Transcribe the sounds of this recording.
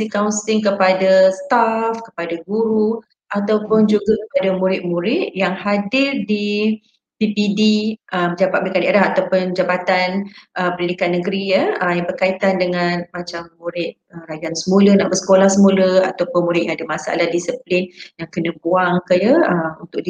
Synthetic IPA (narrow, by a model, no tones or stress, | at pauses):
sikaunsɪŋkəpadast̪afkə̥padaɡuɾu | ʔat̪awpʊnd͡ʒuɡakəpadamuɾɪt̪̚mũɾɪt̪̚jaŋhadɪrdi | pipidiəmd͡ʒabat̪ʔ̚bəikaneɾaɦat̪awpʊnd͡ʒabat̪anʔəpənidikanːəɡəɾijəəmjaŋbərkait̪andəŋanmat͡ʃamːũɾɪt̪̚əɾajansəmũlənaʔbəsə̥kolahsəmuləa̰t̪awpʊnmuɾɪʔ̪̚jaŋadamasa̰lahdisəplɪnjaŋkənəbuaŋkəjəəmunt̪ʊkʔ̚di